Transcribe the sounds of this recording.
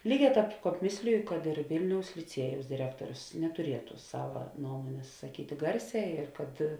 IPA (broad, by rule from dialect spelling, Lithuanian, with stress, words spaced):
ˈlʲiːˌɡʲɛː ˈtɑːp ˈkɑːp ˈmʲeːsʲlʲɪjʊ kɐt ɪr ˈʋʲɪlʲnʲɛʊs lʲɪˈt͡sʲiɛjɛʊs dʲɪˈrʲæːktoːrʲʊs nʲɛtʊˈrʲiɛtʊ ˈsɑːʋɐ ˈnuɔmoːnʲeːs sɐˈkʲiːtʲɪ ˈɡɐrʲˌsʲɛː ɪr kɐt